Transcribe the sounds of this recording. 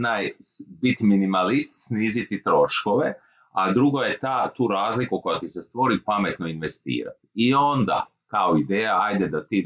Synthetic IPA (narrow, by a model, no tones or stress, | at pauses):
najbit̪minimalist̪sniːzit̪it̪ɾo̞ʃkoʋe | ad̪ɾuɡo̞jet̪at̪uːɾaːzlikuko̞jat̪isest̪ʋo̞ɾipame̞t̪no̞inʋe̞st̪ḭːɾa̰t̪io̞nd̪a̰ | kaoid̪eːjaajd̪ed̪at̪i